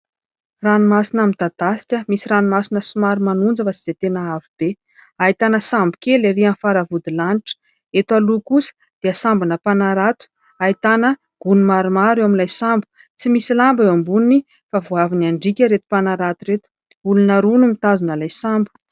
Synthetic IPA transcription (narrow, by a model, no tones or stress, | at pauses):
ranimasinəmit̪ad̪asi̥kəmisiɾanimasinəsumaɾumanund͡zəfat͡si̥z̥et̪enaavib̥e | ait̪anəsambukeleɾianfaɾavud̪ilaniʈ͡ʂə̥ | et̪walukusə̥ | d̪̥easambunəpanaɾat̪u̥ | ait̪anə | ɡ̥unumaɾumaɾewaminlajsambu̥ | t͡simisilambeambunini | favuaviniaɳɖ͡ʐikʲəɾet̪u̥panaɾat̪uɾet̪u̥ | ulunəɾunumit̪azunəlajsambu̥